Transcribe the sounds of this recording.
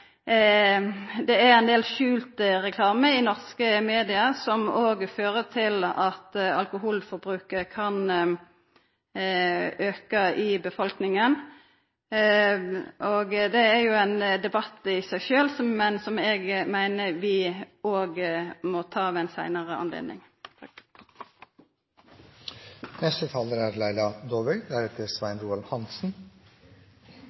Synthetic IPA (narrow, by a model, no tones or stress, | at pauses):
d̪ɛæʁɛɪnd̪eːlʃʉːlt̪ʁɛkʰlɑːməɪnɔʁskəmeːd̪ɪɑsɔmoːɡføːʁət̪ʰɪlɑt̪ɑ̰lkʊɦuːlfɔɾbʁʉːkəʁkʰɑn | øːkɑʔɪbəfɔlknɪŋən | ʔoɡd̪ɛæɾjʊɛnd̪ɛbɑt̪ːɪsæɪʃøːlsɔmɛnsɔmɛɡmæɪnəʋɪoːɡəmɔt̪ʰɑːʋɛnsæɪnəʁəɑ̰nlḛːd̪nɪ̰ŋ | nɛst̪ət̪ʰɑːləɾæɾlæɪlɑd̪oːʋɛɡd̪æɾɛt̪əɾsʋæɪnɾuːɑlhɑnsn̩